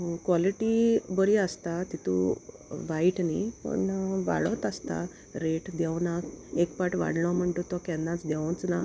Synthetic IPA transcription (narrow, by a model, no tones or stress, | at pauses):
kʋɔliʈibəɾiəst̪at̪it̪ṵ | ʋaiʈnḭpə̰ɳʋa̰ɭɔt̪əst̪a̰ | ɾeʈd̪ɛwnakekpaʈʋa̰ɽlɔm̤əɳt̪ot̪ɔkɛ̃nd̪ãt͡sd̪ɛʋont͡sna